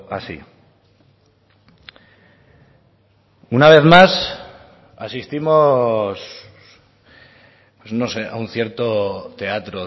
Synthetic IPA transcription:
a̰si | unaβ̞e̞θmas | asist̪imo̞s | pwesno̞se̞ʔa̰unθje̞ɾt̪o̞t̪e̞at̪ɾo

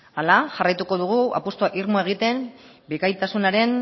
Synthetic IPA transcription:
alaʝarajt̪uko̞ðuɣ̞ua̰pust̪oaʔiɾmoe̞ɣ̞it̪e̞mbekajt̪asunaɾe̞n

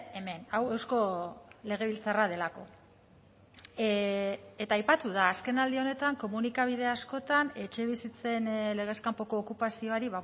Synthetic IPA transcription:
eme̞nawe̞wsko̞le̞ɣ̞e̞β̞ilt͡sarað̞e̞lako̞ | e̞t̪aːjpat̪uð̞aːske̞nald̪io̞ne̞t̪aŋko̞munikaβ̞ið̞e̞asko̞t̪ane̞t͡ʃe̞β̞isit͡se̞nle̞ɣ̞e̞skampo̞pkoːkupasio̞aɾiβa

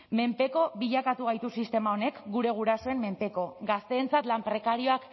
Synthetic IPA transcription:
me̞mpe̞ko̞βiʎakat̪uɣ̞ajt̪usist̪e̞mao̞ne̞kɡuɾe̞ɣ̞uɾaso̞e̞mmːe̞mpe̞ko̞ɡast̪e̞ːnt͡sat̪lampɾe̞kaɾio̞ak

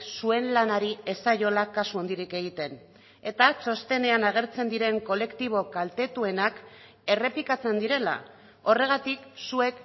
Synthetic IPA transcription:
sue̞nlanaɾie̞sajo̞lakasuo̞nd̪iɾike̞ɣ̞it̪e̞n | e̞t̪at͡so̞st̪e̞ne̞anaɣ̞e̞ɾt͡se̞nd̪iɾe̞ŋko̞le̞kt̪iβ̞o̞kalt̪e̞t̪ue̞nak | e̞re̞pikat͡se̞nd̪iɾe̞la̰ | o̞re̞ɣ̞at̪iksue̞k

